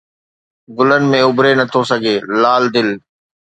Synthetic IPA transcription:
ɡʊlənɪ̆mẽʊbɾenɐt̪ʰosɐɡʱeːlaːld̪ɪl

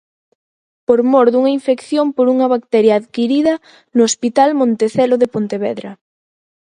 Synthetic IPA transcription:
poɾmoɾðuŋɐiɱfekθjompoɾuŋɐβak̚t̪ɛɾjaːðkiɾiðɐ | nʊospit̪almõnt̪eθɛloðepont̪eβɛðɾɐ

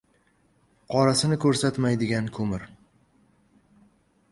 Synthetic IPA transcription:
qʰɒɾasɪnɪkʰɵɾsat̪majd̪ɪɡʲankʰɵmɪɾ

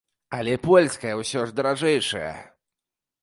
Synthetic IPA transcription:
alʲɛpwɛlʲskaɛwɕɔ̃ʐd̪ɾaʐɛjʂɛ̰ɛ̰

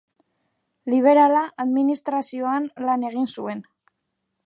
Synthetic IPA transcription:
liβ̞e̞ɾalaʔaðminist̪ɾasio̞anlane̞ɣ̞insue̞n

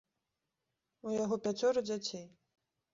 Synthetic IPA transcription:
ujaɣɔpʲat͡sʲɔɾɨd͡zʲat͡sʲej

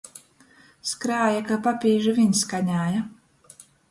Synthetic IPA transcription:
skɾaːjakapapʲiːʒivʲiɲskaɲaːja

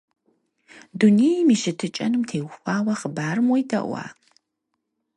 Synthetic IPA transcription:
duneːjimiːʃɨtʰɨt͡ʃʼɐnɨmtʰeːwxʷaːwɐχəbaːrɨmwɔjdʰɐ̰ʔʷɑ̰ː

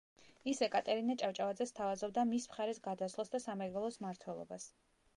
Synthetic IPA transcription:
isɛkʼat̪ʼɛɾinat͡ʃʼavt͡ʃʼavad̪zɛst̪ʰavazɔb̚d̪amismχaɾɛsɡad̪aslˠasd̪asamɛɡɔlˠɔsmaɾt̪ʰwɛlˠɔ̰bas

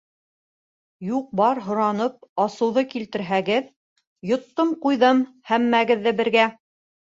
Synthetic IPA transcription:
juq̚bɑɾɦŏɾɑnɤp̚ɑsɤ̆wðɤkilt̪ɘ̆ɾɦæɡɘð | jŏt̪ːɤmqujðɤmhæmːæɡɘ̆ðːɘbɘ̆ɾɡæ

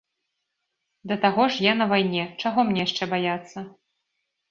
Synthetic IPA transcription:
d̪ɐt̪aɣɔʂjanɐvajnʲɛt͡ʂaɣɔmnʲɛjaʂt͡ʂɛbajat̪sːɐ

